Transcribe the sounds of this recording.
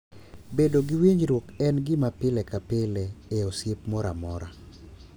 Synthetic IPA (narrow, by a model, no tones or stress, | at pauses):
bedoɡɪwiɲɾwokɛnɡɪmapɪlɛkapɪlɛeosjepmɔɾa̰mɔɾa̰